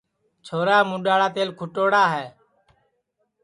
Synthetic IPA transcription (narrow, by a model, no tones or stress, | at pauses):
t͡ʃʰoːɾaːmũːɗaːɽaːt̪eːlkʰʊʈoːɽaːɦɛː